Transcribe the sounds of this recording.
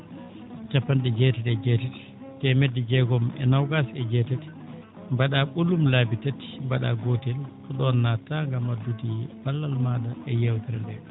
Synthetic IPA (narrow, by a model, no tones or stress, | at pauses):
t͡ʃapːanɗɛd͡ʒɛtɛdɛd͡ʒɛtɛti̥ | tɛmedid͡ʒɛɡɔmɛ̰nawɡasɛd͡ʒɛtati̥ | mbaɗaɓulumlaːbitati̥mbaɗa̰ɡotɛlkɔɗɔnːataŋɡamadutipalːalmadaɛjɛwtɛɾandɛ